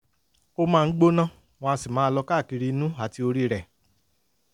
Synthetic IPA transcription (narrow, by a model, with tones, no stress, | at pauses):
o˦mãː˦˧n̩˦ɡ͡bo˦nã˦˨ | w̃ɔ̃˧a˧si˨mãː˨˦˧lɔ˧ka˦˨ki˧ɾi˧˦nũ˦a˨ti˧o˧ɾi˦ɾɛ˨